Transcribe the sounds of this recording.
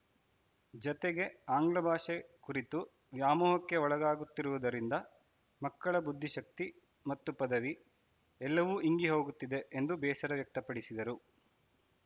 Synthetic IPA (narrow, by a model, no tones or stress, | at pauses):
d͡ʒɔt̪eɡe̞aːŋɡɭɐbʱaːʂekuɾit̪u | ʋjaːmɔːɦɐkːe̞ɔɭɐɡaːɡut̪ːiɾuʋud̪ɐɾind̪ɐ | mɐkːɐɭɐbud̪ʱːiʃɐk̚t̪i | mɐt̪ːupɐd̪ɐʋi | ɛlːɐʋuʔiŋɡiɦo̞ːɡut̪ːid̪eend̪ubɛːʃɐɾɐʋjɐk̚t̪ɐpɐɽisid̪ɐɾu